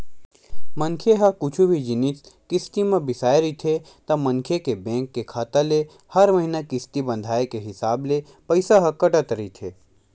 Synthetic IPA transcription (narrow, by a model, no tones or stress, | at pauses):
mə̃nkʰeɦɐkʊt͡ʃʰubʱid͡ʒɪnit͡ʃkɪst̪imãbɪsaːjɾit̪ʰe | t̪ɐmɐŋkʰjekebẽːŋkːekʰaːt̪ale | hɐɾməɦinakɪst̪ibɐ̃nd̪ʱaːekeɦɪsaːble | pɐɪsaɦɐkɐʈət̪ɾit̪ʰeː